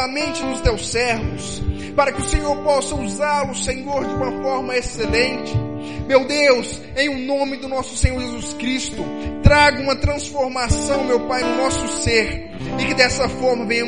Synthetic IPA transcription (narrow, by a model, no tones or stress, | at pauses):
amẽnt͡ʃɪnʊst̪ewsɛɾvʊs | paɾɐkɪʊsẽɲoɾpɔsɐuzaɾlʊsẽɲoɾd͡ʒɪũmɐfɔɾmɐeselẽnt͡ʃɪ̥ | mewd̪ews | ẽj̃ʊnõmɪd̪ʊnɔsʊ̥sẽɲoɾʒezuskɾist̪ʊt̪ɾaɡɐũmɐt̪ɾɐ̃sfoɾmasɐ̃w̃mewpajnʊnɔsʊseɾ | ɪkɪd̪ɛsɐfɔɾmɐvẽj̃ɐ̃